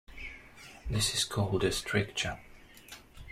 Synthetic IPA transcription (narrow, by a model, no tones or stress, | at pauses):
ðɪsɪz̥kʰɔlˠdɨstʰɹ̥ɪkt͡ʃə˞